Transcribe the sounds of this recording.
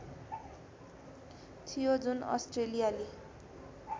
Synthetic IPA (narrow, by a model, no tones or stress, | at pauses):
t̪ʰijod͡zunʌ̰sʈrelijale